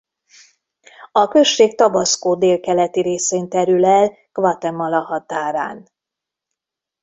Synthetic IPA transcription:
ɒkø̞ʃːeːk̚t̪ɒbɒskoːd̪eːlkɛlɛt̪iɾeːseːnt̪ɛɾylɛl | kvɒt̪ɛmːɒlɒɦɒt̪aːɾa̰ːn

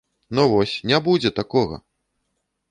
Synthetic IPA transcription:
nɔvɔsʲnʲabud͡zʲɛt̪akɔɣɐ̰

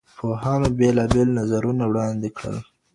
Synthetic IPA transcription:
pʰoɦɑnobelɑbelnazaɾunawɽɑnd̪ɪkɽə̰l

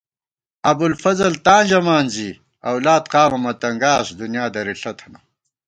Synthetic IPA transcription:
ɐbulfɐzɐlt̪aːnd͡ʑɐmaːnzi | ɐwlaːt̪qaːmɐmɐt̪ɐŋɡaːsd̪unjaːd̪ɐɾiɬɐt̪ʰɐna

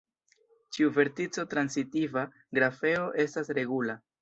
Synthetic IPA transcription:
t͡ʃiuve̞ɾtit͡so̞tɾansitiva | ɡɾafe̞o̞ʔe̞stasɾe̞ɡula

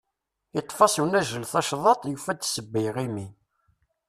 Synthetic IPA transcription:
it̪ˤːfɑsˤwnæʒəlθɑʃðˤɑt̪ˤjufæd̪səbːəjʁimi

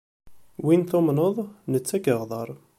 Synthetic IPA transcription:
winθomnəðˤnət͡sːækəʁðˤɑɾˤ

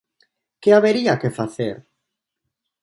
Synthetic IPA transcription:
keaβeɾiakefaθḛɾ

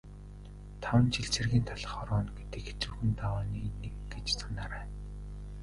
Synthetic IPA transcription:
t̪ʰawə̆nt͡ɕʰiɮt͡sĕrɣʲiːnt̪ʰaɮə̆χɔɾɔːnɡet̪ɘ̆kxe̥t͡suwxɘ̆nt̪awaːniːnːekɡet͡ɕsḁnaːɾæːn

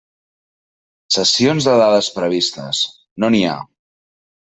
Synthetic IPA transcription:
səsionzðəðaðəspɾəβist̪ə̰s | nonia̰

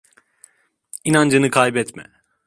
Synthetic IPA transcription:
inand͡ʒanɯkʰajbɛt̪mɛ̰

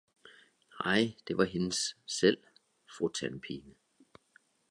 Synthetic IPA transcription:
ɑɪ̰d̥e̝ʋɑ̈ɦe̝nəsːel̰ | fʁut͡sʰænpʰiːnə

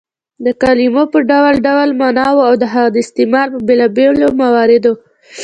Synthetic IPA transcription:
d̪əkɑlimopəɖawlɖawlmanɑwoawd̪əɦaɣad̪əɪst̪ɪmɑɾpəbelɑbelomawɑɾɪd̪o

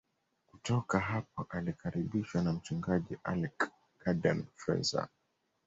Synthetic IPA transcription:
kutɔkaɦap̚ɔʔalikaɾiɓiʃwanam̩t͡ʃuŋɡaʄiʔalɛkː | aɗɛmfɛ̰za̰

